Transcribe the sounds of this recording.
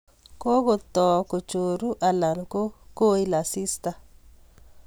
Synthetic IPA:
ko˦ko˦t̪ɔ˨ko˨t͡ʃo˨ɾu˦ʔa˨la˨nko˦ko˦i˦la˨si˦st̪a˨

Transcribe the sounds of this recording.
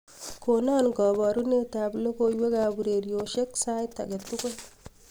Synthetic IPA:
ko˨naː˦nɡɔ˨bɔ˨ɾu˦ne˦ta˨blo˦ko˦jwe˦ka˨bu˨ɾe˨ɾjo˨ʃe˦ksa˦jtːa̰˨ɡe˨tu˦kɔ˦

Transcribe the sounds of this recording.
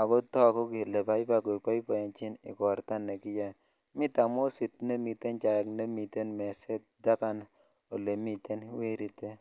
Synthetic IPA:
a˨bo˦tɔ˦ko˦ki˨le˨pa˦i˦pa˦ɡo˨pa˦i˦pa˨ja˨nt͡ʃi˦nɪ̰˨kɔ˨ɾt̪a˦nːe˨kɪ˦ja˨ | mi˦ta˨mo˦si˨t̚ne˦mi˨t̪e˦nt͡ʃa˨ja˨kne˦mi˨t̪e˦nme˨se˦t̚da˦ka˦n | o˨le˨mi˨t̪e˦nwe˦ɾi˨t̪e˦

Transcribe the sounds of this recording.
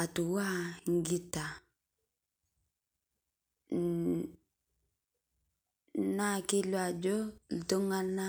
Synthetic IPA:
a˨tu˨wa˦ŋ˦ɡi˦ta˨ | na˦ki˦lwa˨d͡ʒo˦lto˦ŋa˦na

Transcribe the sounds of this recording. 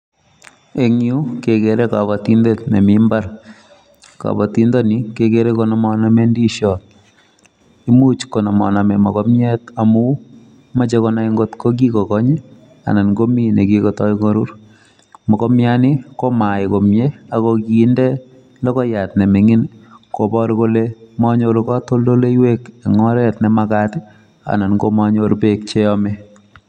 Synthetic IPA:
e˨ŋu˦ke˨ke˨ɾe˦ka˨βa˨ti˦nde˦tne˨mimba˦r | ka̰˨bɔ˨ti˦ndo˦ni˦ke˨ke˨ɾe˦ko˦nɔ˨mɔ˦na˦me˦ndi˦ʃɔ˨t | i˦mu˦t͡ʃko˨nɔ˨mɔ̰˨na˨me˨mɔ˨kɔ˦mjɛ˦ta˨mu˦ | ma˦t͡ʃe˦kɔ˦na˦i˦ŋɡo˦tko˦k̬i˦ko˨kɔ˦ɲe˦ | a̰˨na˨nko˦mi˦ne˨kiko˨tɔ˦ikɔ˦ɾu˦ɾ | mɔ˨kɔ˦mja˦nɪ˦ko˦ma˨ɪ˨ko˨mje˦a˨koki˨˦ndɛ˦ | lɔ˦kɔ˦ja˨tnɛ˨me˨ŋi˦nko˨bɔ˦ɾko˦lemɔ˦ɲo˦ɾkɔ˦to˦ldo˦le˦i˦we˦ke˨ŋɔ˦ɾɛ˦tnɛma˦kat | a̰˨na˨nko˦ma˦ɲo˦ɾpek̚t͡ʃe˦ɔme˦

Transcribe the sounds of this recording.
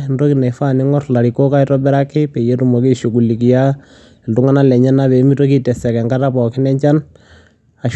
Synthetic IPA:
ndo˦ki˨ne˨fa˦˨ni˦ŋɔ˦tla˨ɾi˨ko˦ka˦i˦tɔ˦bɛ˦ɾa˦kɪ˦pe˨je˦tu˨mɔ˨ki˦ʃu˨k̬u˨li˨k̬ija˦˨ | ndu˦ŋa˦na˦lɛ˨ɲɛ˦na˦βe˨˦mi˦to˦ki˦tɛ˨sɛ˨kɛ˨ŋɡa˦ta˦pɔ˨kɪ˦nɛ˦ɲt͡ʃa˦n | a˨ʃ

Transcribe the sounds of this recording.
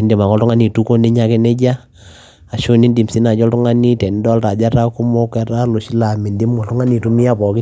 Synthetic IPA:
i˨nde˨ma˨ŋɔ˦ltu˦ŋa˦ni˨tu˦ko˦ne˦ɲa˨ke˦nɛ˦d͡ʒa˦ | a˨ʃo˦ni˦ndi˨msi˦na˨d͡ʒɔ˦ltu˦ŋa˦ni˦tɛ˨n˦dɔ˦lta˨d͡ʒa˦ɾa˦ku˦mo˦kɛ˨ɾa˦lo˨ʃi˦la˨mi˨ndi˦mŋɔ˨tu˦ŋa˦ni˨tu˦mi˦a˦˨bɔ˨ki˦

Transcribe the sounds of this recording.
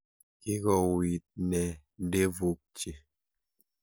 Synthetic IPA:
ki˦ɣɔ˨wi˨t̚nɛ˨ | de˦vu˦k̚t͡ʃi˨

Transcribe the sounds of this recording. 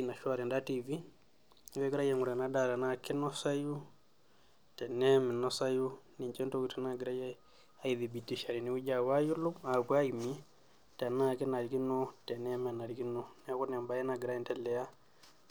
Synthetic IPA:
i˦na˨ʃa˦ɾɛ˨nda˦ti˨vi˦ | wɛ˦ɡi˦ɾa˦jɛ˨ŋu˨ɾa˨na˦da˨ɾa˨na˦kɛ˦nɔ˦sa˦ju˦ | tɛ˨nɛ˦mɛ˨nɔ˦sa˦ju˦ni˨t͡ʃɛ˦nto˦ki˨tɛ˨˦na˦ɡi˨ɾa˦jɛ˦ | a˦i˨ði˨bi˨ti˦ʃa˨ɾi˨ni˦wu˦d͡ʒa˨wa˦ju˦lu˦ma˨bu˦a˦i˨mi˦ | ta˨na˦˨kɛ˦na˨ɾi˨ki˦no˦tɛ˨nɛ˦mɛ˨na˨ɾi˨ki˦nɔ˦n˨a˦ku˦na˨mba˦jɛ˦na˨ɡi˨ɾa˦i˦ntɛ˦lɛ˨ja˦

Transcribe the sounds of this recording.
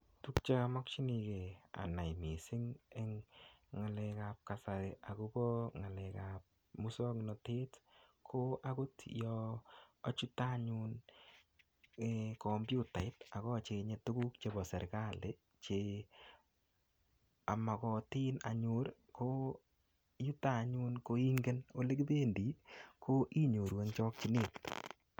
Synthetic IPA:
tu˦kt͡ʃa˦mɔ˦k̚t͡ʃi˦ni˧ke˨a̰˨na˨imi˨sɪ˦ŋe˦ŋŋa˨lɛ˧kap̚kasa˨ɾiʔa˨ku˦kɔ˦ŋa˨lɛ˨ka˨p̚ | mu˦sɔ˦ŋnɔ˨te˦tkʰo˦ʔa˦ku˦tjɔː˦ | t͡ʃu˦ta˦ɲun | ekɔ˨mbju˦ta˨ɪ˦ta˨kɔ˦t͡ʃe˨ɲe˨˧tu˦ku˦kt͡ʃe˨˧bɔ˨sɛ˨ɾka˦le˦ | t͡ʃe˨ | a˨ma˨kɔ˨ti˦na̰˨ɲu˦ɾko˦ | ju˦ta˦ɲu˦nko˧i˦ŋɡe˦no˦le˦kðe˦ndi˨˦kʰo˦ʔi˦ɲo˨ɾwe˨˦ŋt͡ʃɔ˦k̚t͡ʃi˦nɪ˦˨t

